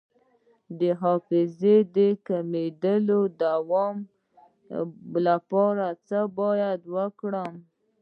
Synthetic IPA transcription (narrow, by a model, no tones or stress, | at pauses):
d̪əɦɑfɪzed̪əkamed̪əlod̪awɔm | lapɑɾat͡səbɑjad̪wəkɽəm